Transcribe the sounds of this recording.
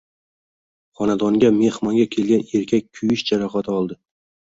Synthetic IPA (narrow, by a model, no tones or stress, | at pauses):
χɒnad̪ɒŋɡʲame̞hmɒŋɡʲakʲʰe̞lɡʲane̞ɾkʲʰak̚ʲkʰːʊjɪʃd͡ʒaɾaχat̪ʰaɒlˠd̪ɪ